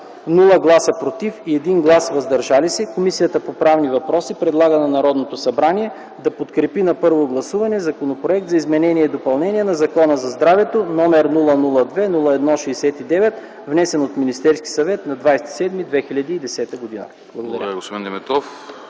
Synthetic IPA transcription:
nulˠəɡlˠasəpɾot̪ifiɛd̪inɡlˠasvɐzd̪ɐɾʒalisɛkomisijət̪əpopɾavnivɐpɾɔsipɾɛd̪lˠaɡənɐnɐɾɔd̪not̪osɐbɾaniɛ | d̪ɐpot̪kɾɛpinɐpɤɾvoɡlˠɐsuvɐnɛzɐkonopɾoɛk̚t̪zɐizmɛnɛniɛid̪opɐlˠnɛniɛnɐzɐkɔnəzɐzd̪ɾavɛt̪onɔmɛɾnulˠənulˠəd̪vɛnulˠəɛd̪nɔʃɛːsɛt̪id̪ɛvɛt̪ | vnɛsɛnot̪minist̪ɛɾski̥sɐvɛt̪nɐd̪vajsɛ̥t̪i̥sɛd̪mid̪vɛxiʎʲɐd̪iːd̪ɛsɛt̪əɡod̪inə̰ | b̥lˠɐɡod̪ɐɾaɾaɡospod̪ind̪ɛmɛt̪ɔf

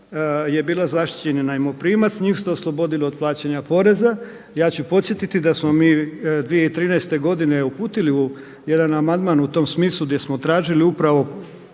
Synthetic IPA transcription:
je̞biːlˠazaʃt̪i̥t͡ɕe̞ninaimopɾiːmat̪sɲiːfst̪eoslˠobo̞d̪iliod̪̚plˠaːt͡ɕeɲapo̞ɾe̞za | jaːt͡ɕupo̞t̪sje̞t̪it̪id̪asmo̞miːd̪ʋijeit̪ɾiːnɛjst̪e̞ɡo̞d̪ine̞upuːt̪iliu | je̞d̪anamand̪manut̪o̞msmiːslˠuɡd̪je̞smot̪ɾaːʒiliupɾaʋo̞

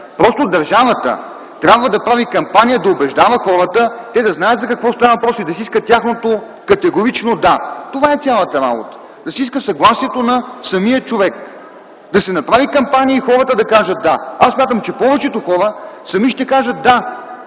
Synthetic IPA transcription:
pɾɔst̪od̪ɐɾʒavət̪ə̰ | t̪ɾʲabvəd̪ɐpɾavikɐmpanijəd̪ɐobɛʒd̪avəxɔɾət̪ət̪ɛd̪ɐznajət̪zɐkɐkvɔst̪anvɐpɾɔsid̪ɐsiiskət̪ʲjaxnot̪o | kɐt̪ɛɡoɾit͡ʃnod̪at̪ovaɛt̪sʲjalˠət̪ɐɾa̰bot̪ə̥ | d̪ɐsiiskəsɐɡlˠasiɛt̪onɐsɐmijət͡ʃovɛk | d̪ɐsɛnɐpɾavikɐmpanʲijəixɔɾət̪əd̪ɐkaʒət̪̚d̪aasːmʲat̪əmt͡ʃɛpɔvɛt͡ʃɛt̪oxɔɾəsɐmiʃt̪ɛkaʒət̪̚d̪a

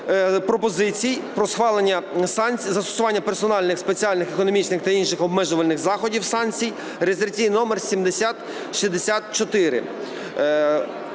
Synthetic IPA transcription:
pɾɔpɔzɪt͡sʲijpɾɔsxʋɑlˠenʲːɐsɑnʲt͡sʲzɐst̪ɔ̥sʊʋɑnʲːɐpersɔnɑlʲnɪxspet͡sʲiɑlʲnɪxekɔnɔmʲit͡ʃnɪxt̪ɐinʃɪxɔbmɛʒʊʋɐlʲnɪxzɑxɔdʲiwsɑnʲt͡sʲij | ɾezert͡sʲijnɔmersʲimd̪esʲat̪ | ʃizd̪esʲat̪t͡ʃɔt̪ɪɾɪ̰

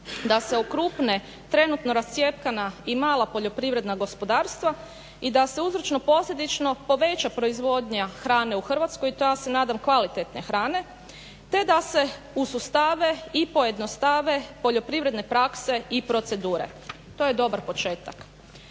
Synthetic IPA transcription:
d̪ase̞okɾuːpne | t̪ɾe̞nut̪noɾast̪sje̞pkanaimaːlˠapo̞ʎo̞pɾiʋɾe̞d̪naɡo̞spod̪aːɾst̪ʋa | id̪ase̞uzɾot͡ʃno̞po̞slʎʲed̪it͡ʃno̞po̞ʋe̞t͡ʃapɾo̞izʋo̞d̪ɲaxɾaːne̞uxər̩ʋat̪skojit̪ojase̞naːd̪amkʋalit̪et̪nexɾaːne̞ | t̪e̞d̪ase̞ | usust̪aʋe̞ipo̞je̞d̪nost̪aʋe̞po̞ʎo̞pɾiʋɾe̞d̪ne̞pɾakse̞ipɾo̞t̪se̞d̪uːɾe̞̰ | t̪o̞jed̪o̞baɾpo̞t͡ʃe̞ːt̪a̰k

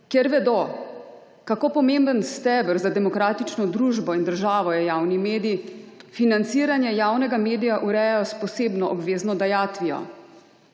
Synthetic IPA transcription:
kjɛɾʋɛd̪o | kakopɔmembənst̪ɛbəɾzad̪ɛmɔkɾaːt̪it͡ʃnɔd̪ɾuːʒbɔind̪əɾʒaːʋɔjɛjaːwnimeːd̪iifinant̪siːɾanjɛjaːwnɛɡameːd̪ijaʔuɾɛjajɔspɔseːbnɔʔɔbʋeːznɔd̪ajaːt̪ʋijɔ̰

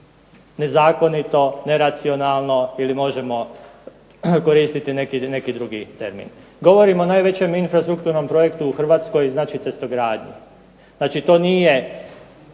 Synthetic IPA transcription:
ne̞zaːko̞nit̪o̞ne̞ɾat̪sio̞naːlˠno̞ilimo̞ʒe̞mo̞ | ko̞ɾiːst̪it̪ine̞kine̞kid̪ɾuɡit̪e̞̰ɾmḭn | ɡo̞ʋo̞ɾimonaːjʋe̞t͡ɕe̞minfɾast̪ɾukt̪uːɾno̞mpɾo̞jekt̪uuxr̩ʋaːt̪sko̞jznaːt͡ʃit̪se̞st̪o̞ɡɾaːd̪ɲṵ | znaːt͡ʃit̪o̞ːniːje̞

